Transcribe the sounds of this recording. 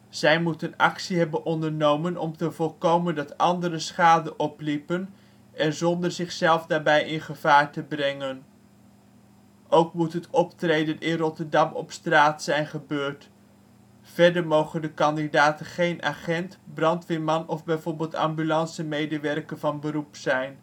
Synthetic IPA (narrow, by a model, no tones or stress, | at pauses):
z̥ɛjmutənɑ̰ksiɦɛbənʔɔndəɹnowmənɔ̰mtəvɔlˠkowməndɑtɑndəɾəsχaːdəʔɔplipən | ʔɛnzɔndəɹzɪχsɛlˠvdaːɹbɛjɪnχəv̥aːɹtəbrɛŋən | ʔowkmutɦətɔptrejdənʔɪnrɔtəɹdɑmɔ̰pstraːtsɛjnχəbøːɹt | v̥ɛɹdəɹmowχəndəkɑndidaːtənχejnʔa̰χɛntbrɑntʋɪmɑnɔvbɛjvoːɹbɪːlˠtɑ̰mbylɑnsəmejdəʋɛrkənvɑnbəɾupsɛjn